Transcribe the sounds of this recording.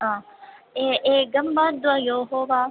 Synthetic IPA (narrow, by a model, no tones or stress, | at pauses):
ɦãːeeɡɐmbaːd̪ʊaːjoːɦoːʋaː